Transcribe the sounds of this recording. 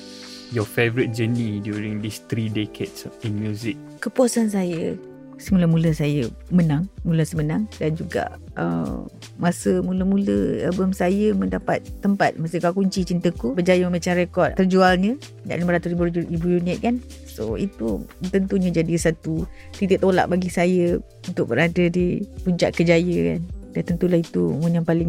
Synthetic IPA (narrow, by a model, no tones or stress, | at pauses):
jɔfevəɾit̚d͡ʒənidjuɹĩŋd̪ist̪ɾidekʰedsĩnmjuzik̚kəpuɔsans̬ajə | səmuləmũləsajəmənãŋmuləsəmənaŋdand͡ʒuɡa̰ʔ | ə̰ | masəmuləmũləɛ̰lbəmsajəmə̃ndapa̰t̪̚ːəmpa̰t̪̚masəkakuɲt͡ʃit͡ʃint̪əkubəd͡ʒajəməmat͡ʃamrekɔtt̪ərd͡ʒualɲə̃ | na̰ʔliməɾat̪usɾibuibujuniəʔ̪̚kan | so̰ḭt̪ut̪ənt̪uɲəd͡ʒadisat̪u | t̪it̪əʔt̪ola̰ʔbaɡisajə | unt̪ʊk̚bəɾadədipuɲt͡ʃa̰ʔkəd͡ʒajəka̰ndant̪ənt̪ulahit̪umunjaŋpalɪŋ